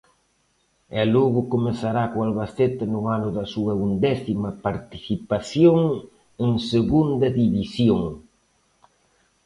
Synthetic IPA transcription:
ɛloɣʊkomesaɾakʊalβaset̪ɪnʊanʊðɐsuɐund̪ɛsimɐpaɾt̪iθipasjoŋ | eŋseɣund̪ɐðiβisjoŋ

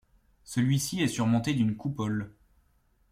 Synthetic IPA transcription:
səlɥisiɛsyʁmɔ̃t̪ed̪ynkupɔl

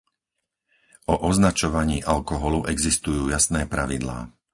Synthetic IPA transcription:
ʔɔʔɔznat͡ʃɔʋaɲiːʔalkɔɦɔluʔɛɡzist̪ujuːjasnɛːpɾaʋid̪la̰ː

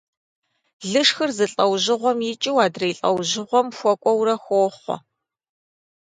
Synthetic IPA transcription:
ɮɨʂxɨrzɨɬʼɐwʑɪʁʷɔmjɪt͡ʃʼiwaːdrɐjɬʼɐ̰wʑɪʁʷɔmxʷɔkʷʼɔwɾɐxʷoːχʷɔ̰

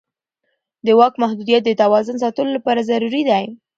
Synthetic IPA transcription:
d̪əwɑkmahd̪ud̪ijat̪̚d̪ət̪awɑzʊns̬ɑt̪əlolapɑɾazaɾuɾid̪aj

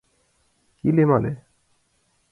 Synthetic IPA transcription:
kilemale

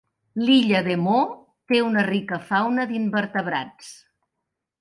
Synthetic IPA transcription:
liʎəðemo | t̪eunərikəfawnəðimbəɾt̪əβ̞ɾa̰t͡s

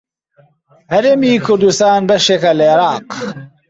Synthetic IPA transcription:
hɐɾɐmiːkʊɾd̪ust̪aːnbɐʃekɐleɾɑːq

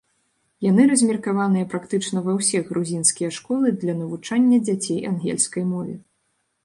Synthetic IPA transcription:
janɨɾɐzʲmʲirkavanɨjɐpɾakt̪ɨt͡ʂnɐvɐwsʲiɣɾuzʲinskʲijɐʂkɔlˠɨd̪lʲɐnɐvut͡ʂanʲːɐd͡zʲat͡sʲejanɣʲɛ̰lʲskɐjmɔvʲɛ

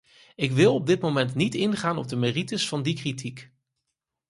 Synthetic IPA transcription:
ɪkʋɪlˠɔb̚dɪt̚mowmɛntnitɪnχaːnɔb̚dəmeritəsfɑndikritʰik

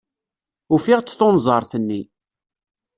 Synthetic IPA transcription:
ufiʁt͡sːθonzˤɑɾˤθənːi

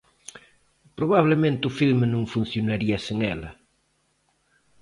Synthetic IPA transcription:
pɾoβaβlemẽnt̪ɪʊfilmenũŋfun̟θjonaɾiɐseŋɛlɐ

